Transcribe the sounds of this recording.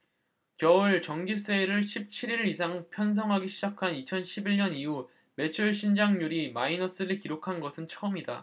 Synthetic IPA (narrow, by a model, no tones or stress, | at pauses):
kjʌɯɭt͡ɕʌŋɡis͈eɾɯɭɕʰip̚t͡ɕʰiɾiɾɯɾis̬ʰaŋpʰjʌns̬ʰʌŋɦaɡiɕʰid͡ʑakʰanit͡ɕʰʌnɕʰibiɭɲʌniu | me̞t͡ɕʰuɭɕ̬ʰind͡ʑaŋɲuɾimainʌs͈ɯɾikiɾokʰanɡʌsʰɯnt͡ɕʰʌɯmida̰